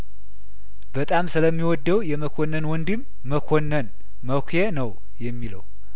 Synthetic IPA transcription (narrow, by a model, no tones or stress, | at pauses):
b̥ət̪ʼamsɨləmːiwɔd̪ːəwjɛməkʰonːənwɔnd̪imːəkʰonːən | məkʷʰenəw | jɛmːilə̰w